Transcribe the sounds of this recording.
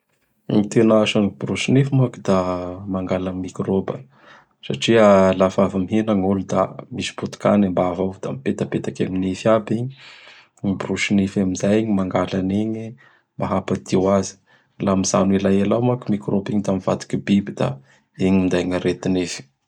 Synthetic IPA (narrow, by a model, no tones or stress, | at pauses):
ŋit̪enaʃanibruʃinifimakid̪amaŋɡalammːikrobə | sa̰ʈ͡ʂialafavamiɦenaŋulud̪amisi̥but̪u̥ka̰nambavavd̪a̰mipet̪apet̪akaminefiabiɲi | iburusinifamizajiɲimaŋɡalaneɲi | mbaɦapad̪̥iwazi̥ | lamiz̥a̰nilajalawmakumikrobiɲid̪amiv̥a̰t̪i̥kibibid̪a̰ | eɲimind̪ajŋaɾet̪inefi̥